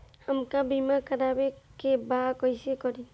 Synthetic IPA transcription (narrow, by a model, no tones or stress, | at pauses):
həmkabimakəɾaːbekebakɔjsekɔɾi